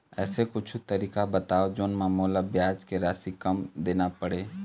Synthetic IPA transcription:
ɛːsekʊt͡ʃʰut̪əɾiːkabət̪aːod͡ʒoːnmãmoːlabjaːd͡ʒkeɾaːsikɐmd̪eːnapəɽeː

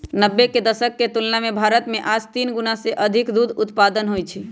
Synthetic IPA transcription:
nəbːeked̪əsəkːet̪ulnamebʱaɾət̪meʔad͡ʒt̪inɡunaseʔəd̪ʱikd̪ud̪ut̪pad̪ənɦojt͡ʃʰi

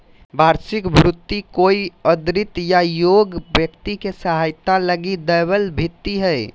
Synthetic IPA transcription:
bʱaɾsikbʱɾut̪ːikoiəd̪ɾit̪jajoɡbjəkt̪ikesəɦajt̪aləɡid̪əjβəlbʱit̪ːiɦəj

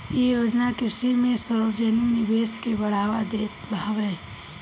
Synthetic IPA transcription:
jejoːd͡ʒnakɪsimẽsəɾəd͡ʒəninɪbeːskebəɽ̤aːʋad̪eːtbaʋɛː

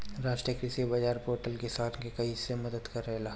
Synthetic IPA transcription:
ɾaːʃʈɾijəkɾɪsibɐd͡ʒaːɾpoːɾʈəlkesaːt̪ʰkekɐisemɐd̪əd̪kɐɾɛɦlaː

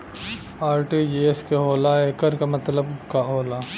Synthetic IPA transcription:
aːɾʈid͡ʒieskeɦoːlaeːkəɾkamɐt̪ləbkaɦoːlaː

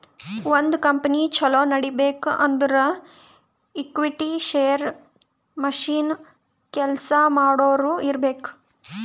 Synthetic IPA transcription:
ʋond̪kɐmpɐnit͡ʃɐloːnɐɽibeːkʔɐnd̪ɐɾɐ | ikʋiʈiʃeːjɐɾ | mɐʃiːn | kɛlsɐmaːɽoːɾuːiɾbeːku̥

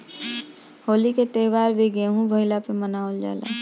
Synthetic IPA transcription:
holiket̪ewaɾbeɡeɦũbʱəɦilapemənaold͡ʒa̰lɛ̰

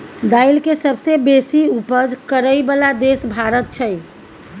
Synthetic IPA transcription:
d̪ailkesəbsebesiupəd͡ʒkəɾəjbəlad̪esbʱaɾət̪̚t͡ʃʰəj

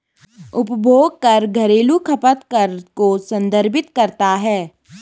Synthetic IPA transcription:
ʊpbʱoːɡ̚kɐɾɡʱɐɾeːlukʰɐpət̪kɐɾkosɐ̃nd̪ʱəɾbɪt̪kɐɾt̪aɦɛː

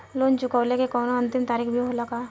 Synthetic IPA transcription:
loːnt͡ʃʊkəːlekekɔːnoɐ̃nt̪ɪmt̪aːɾiːxbʱiɦolakaː

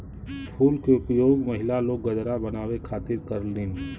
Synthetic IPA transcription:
pʰuːlkeʊpjoːɡməɦɪlaloːɡ̚ːəd͡ʒɾabənaːwekʰaːt̪ɪɾkəɾlɪːn

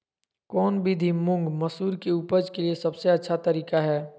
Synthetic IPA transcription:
kɔːnbʱid̪ʱimʊ̃ŋɡmɐsuːɾkeuːpəd͡ʒkeliesɐbseɐtːʃʰat̪ɐɾiːkaɦɛː

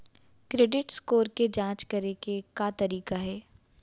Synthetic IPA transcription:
kɾeːɖɪʈskoːɾked͡ʒãːt͡ʃkɐɾekekat̪ɐɾiːkaɦɛː

